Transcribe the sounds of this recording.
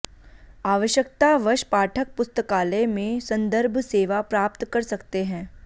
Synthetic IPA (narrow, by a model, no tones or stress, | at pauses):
aːʋəʃjək̚t̪aʋɐʃpaːʈʰək̚pʊst̪əkaːlemẽsɐ̃nd̪əɾbʱseːʋapɾaːp̚t̪kɐɾsɐkt̪eɦɛ̃ː